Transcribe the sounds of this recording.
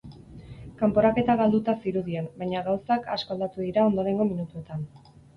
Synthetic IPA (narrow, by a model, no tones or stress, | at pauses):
kampo̞ɾake̞t̪aɣald̪ut̪asiɾuðienbajɲaɣawsakasko̞ald̪at̪uðiɾao̞nd̪o̞ɾe̞ŋɡo̞minut̪ue̞t̪an